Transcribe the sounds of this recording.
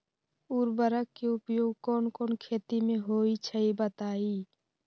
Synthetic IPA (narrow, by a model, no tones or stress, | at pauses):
uːɾbəɾəkːeʊpjoːɡkɔːnkɔːnkʰeːt̪imẽɦoːit͡ʃʰəibət̪aːiː